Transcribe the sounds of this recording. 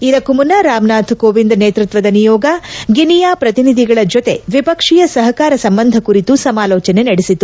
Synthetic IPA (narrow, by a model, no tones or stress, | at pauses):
id̪ɐkːumunːɐɾaːmnaːt̪ʰkoːʋind̪neːt̪ɾut̪ʋɐd̪ɐnijɔːɡɐɡinijaːpɾɐt̪inid̪ʱiɡɐɭɐd͡ʒot̪e̞ʋipɐkʂijɐsɐɦɐkaːɾɐsɐmbɐnd̪ʱɐkuɾit̪usɐmaːlɔːt͡ʃɐne̞nɐɽisit̪ːu